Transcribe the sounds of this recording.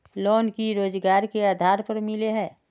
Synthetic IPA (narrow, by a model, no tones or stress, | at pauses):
loːnkiɾoːd͡ʒɡaːɾkeaːd̪ʱaːɾpəɾmɪleɦɛ̃ː